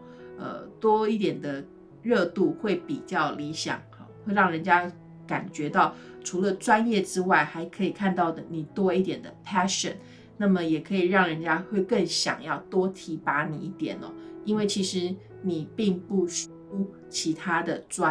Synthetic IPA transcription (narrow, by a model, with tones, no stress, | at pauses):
ə̰˧t̪wɔ˥i˥˩t̪jɛ˨˩nd̪ə˦ | ɻɤ˥˧t̪u˥˧xwe˥˩ɪpi˨˩t͡ɕjɑ˥˩ʊli˧˥ɕjɑ̰˨˩ŋ̰˧˦xwe˥˧ɪɻɑ˥˩ŋɻə˧˥nt͡ɕja˥ | ka̰˨˩nt͡ɕɥɛ˧˥t̪ɑ˥˩ʊʈ͡ʂʰu˧˥lə˧ʈ͡ʂwa˦˥njɛ˥˨ʈ͡ʂɻ̩˥wa˥˩ɪxa˧˥ɪkʰɤ˧˥i˨˩kʰa˥˧nt̪ɑ˥˩ʊd̪ə˩ni˨˩t̪wɔ˥i˥˩t̪jɛ˨˩nd̪ə˦pʰæ˥ʂə̰˨˦n | na˥˩mə˨˩jɛ˨˩kʰɤ˧˥i˨˩ɻɑ˥˩ŋɻə˧˦nt͡ɕja˥xwe˥˧ɪkə˥˩ŋɕjɑ̰˨˩ŋjɑ˥˩ʊt̪wɔ˥t̪ʰi˧˥pa˧˥ni˨˩i˥˩t̪jɛ̰˨˩nɔ̰˦i˥nwe˥˩ɪt͡ɕʰi˧˥ʂɻ̩˧˦ | ni˨˩pi˥˧ŋpu˥˩ʂ | u˥ | t͡ɕʰi˧˥t̪ʰa˥d̪ə˨ʈ͡ʂwa˦